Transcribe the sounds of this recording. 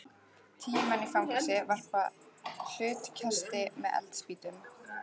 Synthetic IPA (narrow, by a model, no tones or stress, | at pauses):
t̪ʰiːmanifamkasɪvar̥pah̪ʏːt̪cʰast̪ɪmɛðɛ̰lt̪spiːt̪ʏm